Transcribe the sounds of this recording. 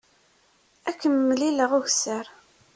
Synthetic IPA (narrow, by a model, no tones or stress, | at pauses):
ækːəmːliləʁʊʝsəɾ